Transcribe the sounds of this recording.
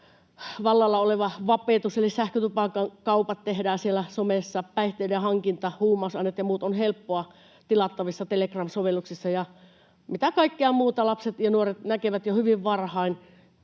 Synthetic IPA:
ʋɑlːɑlːɑoleʋɑʋɑpeˑt̪uselisæhkøt̪upɑkɑkɑupɑt̪t̪ehdæːsielæsomesːɑpæiht̪eˑidehɑŋkint̪ɑhuːmˑɑsɑnːet̪jɑmuːt̪onhelpːoɑ | t̪ilɑt̪ːɑʋisːɑt̪elekrɑmsoʋelːuksisːɑjɑ | mit̪ækɑikːeɑmuːt̪ɑlɑpset̪jɑnuoret̪nækeʋæt̪johyʋiʋʋɑrhɑin

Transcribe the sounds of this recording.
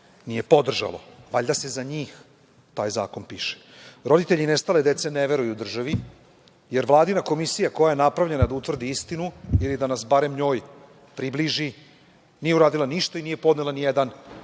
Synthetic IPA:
nijepo̞d̪r̩ʒa̰lˠo̞̰ʋaʎd̪ase̞zaɲiːx | t̪aːjza̰ːko̞npiːʃe̥ | ɾo̞d̪it̪eʎinest̪ale̞d̪e̞t̪se̞neʋe̞ɾujuːd̪r̩ʒaʋi | je̞ɾʋlˠaːd̪inako̞misijako̞jaje̞napɾavʎe̞nad̪aut̪ʋr̩d̪iist̪inuilid̪anasbaɾe̞mɲo̞ːj | pɾibliʒi | nijeuɾaːd̪ilaniʃt̪oinije̞po̞d̪nelanijed̪an

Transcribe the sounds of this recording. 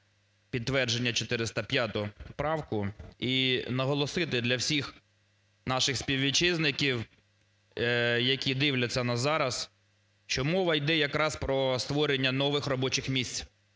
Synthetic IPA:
pʲidt̪ːʋɛrd͡ʒenʲːɐt͡ʃɔt̪ɪɾɪst̪ɐpʲjat̪ʊʊpɾɑwkʊinɐɦɔlˠɔsɪt̪ɪd̪lʲɐwsʲix | nɑʃɪxspʲiwʋʲit͡ʃɪznɪkʲiw | jɐkʲid̪ɪwlʲɐt͡sʲːɐnɐzɑɾɐs | ʃt͡ʃɔmɔʋɐjd̪ɛjɐkɾɑspɾɔst̪ʋɔɾenʲːɐnɔʋɪxrɔbɔt͡ʃɪxmʲisʲt͡sʲ

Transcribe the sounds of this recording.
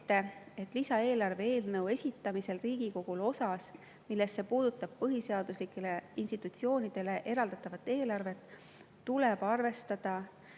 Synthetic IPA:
t̪ːˑe̞e̞t̪ːˑlisɑe̞ːlɑrve̞e̞ːlnɤwe̞sʲit̪ːˑɑmise̞lriːɡ̥iko̞ɡ̥ulo̞sɑs | milːe̞st̪ːe̞puːd̪̥ut̪ːˑɑb̥̚pɤɦiseɑd̪̥uslikːˑe̞le̞inst̪it̪ːˑut̪sio̞ːnid̪̥e̞le̞ʔe̞ɾɑld̪̥ɑt̪ːˑɑvɑt̪ːˑe̞ːlɑrve̞t̪ˑː | ule̞b̥ɑrve̞st̪ɑd̪̥ɑ

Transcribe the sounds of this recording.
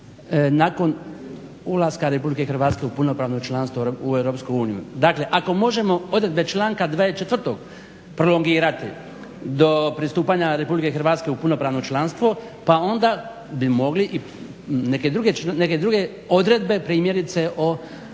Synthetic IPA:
nako̞n | ulˠaskaɾe̞publikexɾrʋaːt̪ske̞upuno̞pɾaːʋnot͡ʃlanst̪ouewɾo̞ːpskouːnijṵd̪akle̞ʔako̞mo̞ʒe̞mo̞o̞d̪ɾe̞d̪be̞t͡ʃlˠaːŋkad̪ʋaːet͡ʃet̪ʋrt̪oɡ | pɾolo̞ŋɡiːɾat̪i | d̪o̞pɾist̪uːpaɲaɾe̞publike̞xr̩ʋaːt̪ske̞upuno̞pɾaːʋnot͡ʃlanst̪ʋo | pao̞nd̪a | bimo̞ɡliʔi | neked̪ɾuɡe̞t͡ʃneked̪ɾuɡe̞ | od̪ɾe̞d̪be̞pɾiːmjeɾit̪se̞ʔo

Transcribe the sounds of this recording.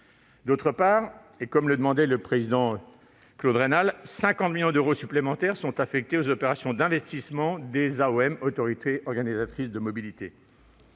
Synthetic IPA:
d̪ot̪χəpaːʁ | ekɔmləd̪əmɑ̃d̪ɛləpχezid̪ɑ̃ | klod̪ʁenalsɛ̃kɑ̃t̪miljɔ̃d̪øʁosyplemɑ̃t̪ɛʁsɔ̃t̪afɛk̚t̪eozɔpeʁasjɔ̃d̪ɛ̃vɛst̪ismɑ̃d̪ezaoɛmot̪ɔʁit̪ʰeɔʁɡanizat̪χisd̪əmɔbilit̪e

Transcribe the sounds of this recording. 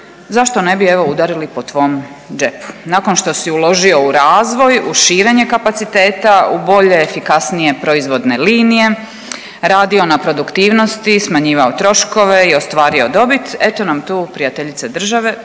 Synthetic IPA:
zaʃt̪o̞ne̞bie̞ʋo̞ud̪aɾilipo̞t̪ʋo̞ːm | d͡ʒe̞pu̥naːko̞nʃt̪o̞siulˠo̞ʒio̞uɾaːzʋo̞juʃiːɾe̞ɲe̞kapat̪sit̪e̞ːt̪aubo̞ʎe̞ːfikasnije̞pɾo̞izʋo̞d̪ne̞liːnije̞ | ɾaːd̪io̞napɾo̞d̪ukt̪iːʋno̞st̪ismaɲiːʋaot̪ɾo̞ʃko̞ʋeio̞st̪ʋaːɾio̞d̪o̞bit̪e̞t̪o̞namt̪uːpɾijat̪eʎit̪sed̪r̩ʒaʋe̞

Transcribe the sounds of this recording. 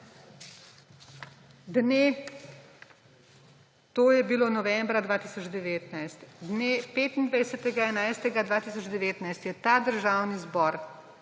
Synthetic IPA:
d̪ne | t̪oːjɛbiloːnɔʋɛmbɾad̪ʋaːt̪iːsɔd͡ʒd̪ɛʋeːt̪najst̪d̪neːpeːt̪ind̪ʋajsɛt̪ɛɡaɛnajst̪ɛɡad̪ʋaːt̪isɔd͡ʒd̪ɛʋeːt̪najst̪jɛt̪ad̪əɾʒaːwnizbɔɾ

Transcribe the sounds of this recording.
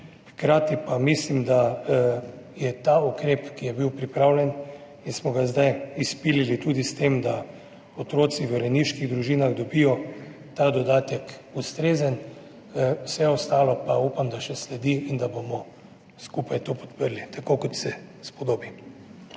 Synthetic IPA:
xkɾaːt̪ipamislimd̪a | jɛt̪aukɾeːpkijɛbiwpɾipɾawlʲɛn | insmɔɡazd̪ajispililit̪uːd̪ist̪emd̪a | ot̪ɾoːt̪siʋəɾɛniʃkiɣd̪ɾuʒiːnaɣd̪ɔbijɔ | t̪ad̪ɔd̪aːt̪ɛkust̪ɾeːzən | wsɛɔst̪aːlɔpaupamd̪aʃɛslɛd̪iind̪abomɔ | skupajt̪oːpɔ̥t̪pəɾlit̪akokɔt̪sɛspɔd̪oːbi

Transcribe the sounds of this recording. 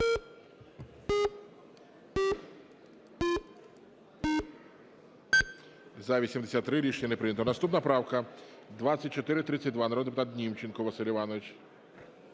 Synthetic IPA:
zɐʋʲisʲimd̪esʲat̪ːɾɪɾʲiʃenʲɐnɛpɾɪnʲɐt̪ɔnɐst̪upnɐpɾɑwkɐ | d̪ʋasʲɐt̚ʲt͡ʃɔt̪ɪɾɪt̪ɾɪt͡sʲːɐt̚ʲd̪ʋanɐɾɔd̪pʊt̪at̪̚ʲnʲimt͡ʃɪnkɔʋɐsɪlʲʊʋɑnɔʋɪt͡ʃ

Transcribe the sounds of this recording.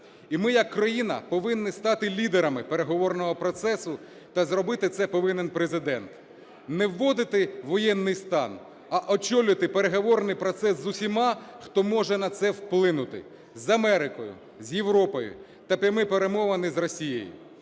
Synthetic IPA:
imɪjɐkːɾɐjinɐ̰pɔʋɪnːɪst̪ɑt̪ɪlʲid̪eɾɐmɪpeɾeɦɔʋɔrnɔɦɔpɾɔt̪sɛsʊ | t̪ɐzɾɔbɪt̪ɪt̪sɛpɔʋɪnenpɾezɪd̪ɛnt̪ | nɛwːɔd̪ɪt̪ɪʋɔjɛnːɪjst̪ɑn | ɐʔɔt͡ʃɔlʲʊt̪ɪpeɾeɦɔʋɔrnɪjpɾɔt̪sɛszʊsʲimɑxt̪ɔmɔʒɛnɐt̪sɛwplˠɪnʊt̪ɪ̰ | zɐmɛɾɪkɔjʊ̰ | zʲjewɾɔpɔjʊ̰ | t̪ɐpʲɐmɪpeɾe̞mɔʋɐnɪzrɔsʲijḛjʊ̰

